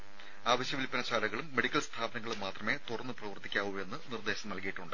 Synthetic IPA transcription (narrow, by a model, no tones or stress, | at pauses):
aːʋɐɕjɐʋilpːɐnɐt͡ɕaːlɐɣɐɭumːe̞ɽikʲːɐlst̪ʰaːbɐnɐŋːɐɭumːaːt̪rɐme̞ːt̪urɐnːɨprɐʋɐrt̪ːikʲːaːʋue̞nːɨnird̪e̞ːɕɐmnɐlkijiʈːuɳɖɨ